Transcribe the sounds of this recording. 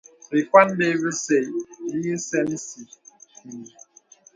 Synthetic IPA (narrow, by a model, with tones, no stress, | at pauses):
ɾi˨kwa˦n˦de˦βi˦se˨i˦sɛ˦n˦si˨